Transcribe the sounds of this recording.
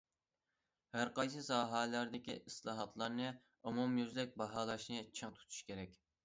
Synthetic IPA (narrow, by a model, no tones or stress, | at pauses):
hæɾqɑjs̬ɨsɑːɦɑːlæɾd̪ɪkʲḭʔislˠɑːɦɑt̪ʰlˠɑɾnɨ | umumjyzlɛk̚ʲbɑɦɑːlˠɑʃnɨt͡ʃʰɨŋt̪ʰu̥t̪ʰu̥ʃkʲeɾɛkʲ